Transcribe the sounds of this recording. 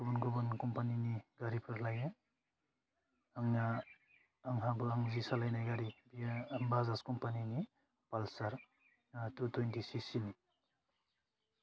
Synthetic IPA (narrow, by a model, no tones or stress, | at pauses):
ɡubɔnɡubɔnkɔmpaniniɡaɾipʰɯɾlaja | aŋaː | ŋɦabɯaŋzisalajnajɡaɾibimbazaskɔmpanini | palsaɾ | tutojndisisini